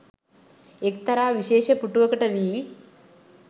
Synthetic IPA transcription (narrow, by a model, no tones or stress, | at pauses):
ekt̪ɐɾaːʋiʃeːʃɐpuʈːuʋɐkɐʈɐʋiː